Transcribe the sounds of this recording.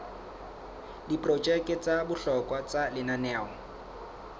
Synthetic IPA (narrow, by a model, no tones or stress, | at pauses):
dipʼrɔd͡ʒɛkʼɪt͡sabʊɬɔkʼwat͡salɪnanɛːɔ